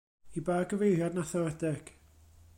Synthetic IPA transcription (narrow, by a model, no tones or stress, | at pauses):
ibaːɡəvejrjadnaθɛwɛdɛɡ̥